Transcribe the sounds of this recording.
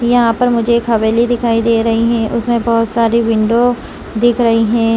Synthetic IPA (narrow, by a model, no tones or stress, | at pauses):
jɐɦãpɐɾmʊd͡ʒʱeːkʰɐʋeːlid̪ɪkʰaːid̪eːɾɐɦiɦɛ̃ːʔʊsmẽbɐɦʊt̪saːɾiʋɪ̃ɳɖo | d̪ɪkʰɾɐɦiɦɛ̃ː